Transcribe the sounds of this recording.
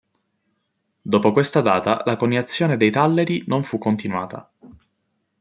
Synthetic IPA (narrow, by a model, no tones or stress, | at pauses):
d̪oːpokwest̪ad̪aːt̪a̰lakonːiat̪sːjoːned̪ejt̪alːeɾinoɱfukːont̪inwa̰ːt̪a̰